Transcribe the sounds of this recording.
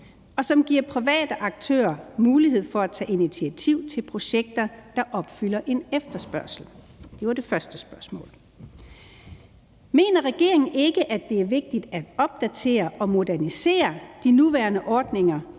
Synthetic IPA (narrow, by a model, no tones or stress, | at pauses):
ɒ̽sɒ̽mɡ̥iɐ̰pʰʁiʋɛ̰ːd̥əʔɑ̈ɡ̥̚t͡sʰø̰ːɐmuːliɦe̝ð̞̰ˠfɒ̽æt͡sʰɛ̰ːʔinit͡sʰiæt͡sʰiʊ̰t͡sʰe̝lpʰʁo̝ɕeɡ̥̚d̥ɐd̥ɑ̈ʔɒ̽b̥fylɐʔe̝nefd̥ɐsb̥ɶɐsl̩ | d̥e̝ʋɑ̈d̥e̝fɶɐsd̥əsb̥ɶɐsmɔ̰̽ːl | me̝̰ːnɐʁɛɡ̥e̝ɐ̰e̝ŋn̩e̝ɡ̥əʔæd̥e̝æɐʋe̝ɡ̥̚d̥id̥æd̥ɒ̽b̥̚d̥æt͡sʰe̝̰ːɐʔɒ̽mo̝dæɐnise̝̰ːɐd̥inuʋæːɐnəʔɒːd̥ne̝ŋɐ